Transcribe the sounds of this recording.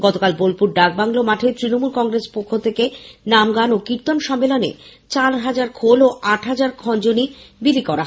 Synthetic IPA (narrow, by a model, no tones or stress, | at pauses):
ɡɔt̪okalbolpuɾɖak̚baŋlomaʈʰet̪ɾinomulkɔŋɾespokʰːot̪ʰekenamɡanokiɾt̪onʃɔmːelonḛ | t͡ɕaɾɦad͡ʑaɾkʰoloʔaʈʰɦad͡ʑaɾkʰɔnd͡ʑonibilikɔɾaɦ